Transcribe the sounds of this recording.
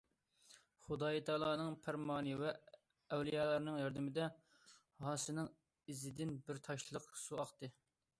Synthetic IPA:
χud̪ɑːjit̪ʰɑːlˠɑːnɨŋpʰæɾmɑːnɨvɛ | ɛwlijɑːlˠɑɾnɨŋjɑɾd̪ɪmɪd̪ɛ | hɑːsɨnɨŋ | izɪd̪ɪnbɪɾt̪ʰɑʃlˠəqsuɑqt̪ɨ

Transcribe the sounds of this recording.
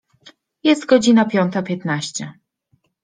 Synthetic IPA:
jɛst̪ɡɔd͡ʑinapʲjɔnt̪apʲjɛt̪naɕt͡ɕɛ

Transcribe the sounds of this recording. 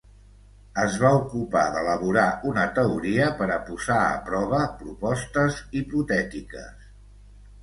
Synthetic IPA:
əzβaukupaðələβ̞uɾaʔunət̪əuɾiəpəɾəpuzaə̰pɾɔβ̞əpɾupɔst̪əziput̪ɛt̪ikə̰s

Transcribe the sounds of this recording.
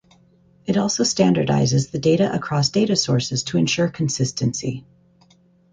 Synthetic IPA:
ɨɾɔlˠsoʊstæ̃ndə˞da̰ɪzɨzðɨdeɪɾɨʔəkʰɹ̥ɔsd̥eɪɾɨsɔɹsɨz̥tʰɨɨ̃nʃʊɹkʰn̩sɪstɨ̃nsḭ

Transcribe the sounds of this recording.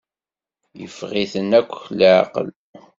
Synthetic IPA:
jəfʁiθənækʷːçlʕ̰qə̰l

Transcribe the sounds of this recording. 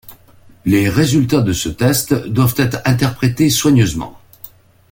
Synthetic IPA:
leʁezylt̪ad̪əsət̪ɛst̪d̪wavt̪ɛt̪χɛ̃t̪ɛʁpχet̪eswaɲøzmɑ̰̃

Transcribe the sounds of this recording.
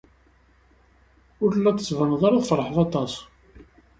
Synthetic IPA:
ʊɾlːæt̪ːəsvənðˤɑɾˤaðfəɾˤəħðɑt̪ˤɑs

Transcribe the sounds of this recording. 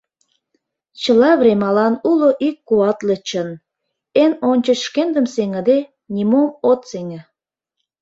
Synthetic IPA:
t͡ɕə̆lɑβremɑlɑnuloʔikːuɑt̪lə̆t͡ɕə̆n | enonʲt͡ɕə̆ʃkend̪əmseŋə̆d̪e | nʲimomot̪seŋə̆

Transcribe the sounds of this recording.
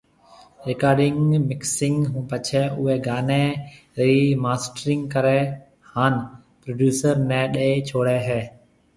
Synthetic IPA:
ɾekaːɖɪŋɡmɪksɪŋɡɦũːpət͡ʃʰɛːʔʊɛːɡaːnɛː | ɾiːmaːsʈɾɪŋɡkəɾɛː | haːn | pɾoːɖjuːsəɾnɛ̃ːɗeeːt͡ʃʰoːɽɛːɦɛː

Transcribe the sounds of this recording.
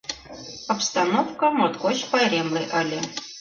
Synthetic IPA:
ɑpst̪ɑnofkɤmot̪koɕpɑjɾʲemlʲeʔɤ̆lʲɘ̆

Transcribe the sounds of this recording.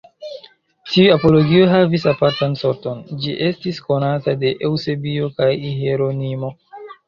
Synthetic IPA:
tiuapo̞lo̞ɡioɦavisapaɾtanso̞ɾto̞nd͡ʒiʔe̞stisko̞natade̞ʔewse̞bio̞kajiheɾo̞nimo̞

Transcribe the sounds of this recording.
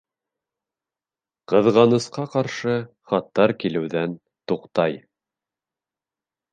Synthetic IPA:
qɤ̆ðʁɑnɤ̆sqɑqɑɾʃɤ | χɑt̪ːɑɾkilɘ̆wðæn | t̪uqt̪ɑj

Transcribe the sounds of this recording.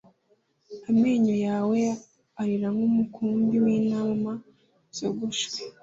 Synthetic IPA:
ameːɲojaːwe | aɾiɾaŋumukʰuːmbiwiːnaːma | z̥oɡuʃwe

